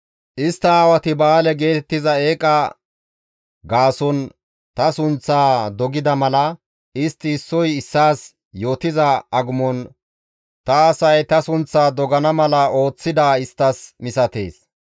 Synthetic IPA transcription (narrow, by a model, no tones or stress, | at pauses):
ʔɪst̪ːɐaːwɐt̪ɪbaːlɛɡe̞ːt̪ɛt̪ːɪzɐe̞ːkʼɐ | ɡaːsɔn | t̪ɐsʊnt͡sːaːd̪ɔɡɪd̪ɐmɐlɐ | ɪst̪ːɪːsːɔjɪsːaːs | jo̞ːt̪ɪzɐʔɐɡʊmɔn | t̪ɐːsɐjt̪ɐsʊnt͡sːaːd̪ɔɡɐnɐmɐlɐo̞ːt͡sːɪd̪aːɪst̪ːɐsmɪsɐt̪e̞̰ːs